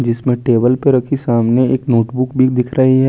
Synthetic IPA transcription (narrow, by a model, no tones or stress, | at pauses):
d͡ʒɪsmẽʈeːbəlpeɾɐkʰisaːmneeːknoːʈbʊkbʱid̪ɪkʰɾɐɦiɦɛː